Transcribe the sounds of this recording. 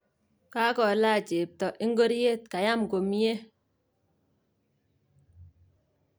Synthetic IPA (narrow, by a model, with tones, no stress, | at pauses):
ka˦kɔ˨la˦˨t͡ʃe˨p̚tɔ˨ʔi˦ŋ˦ɡo˦ɾje˦˨t̚ka˨ja˦mko˨mje˦